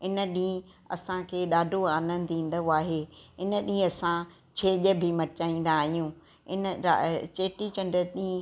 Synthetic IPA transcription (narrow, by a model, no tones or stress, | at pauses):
ɪnə̆ɗĩː | ɐ̰sãkʰeːɗaːɖʱoaːnə̃n̆d̪ĩːn̆d̪aːɦeːɪnəɗĩːɐsã | t͡ɕʰeːʄəbʱɪmɐɾɪt͡ɕaːĩːn̆d̪aːɦijũː | ɪnə̰t͡ɕeːʈit͡ɕɐ̃ɳɖəɾɗĩː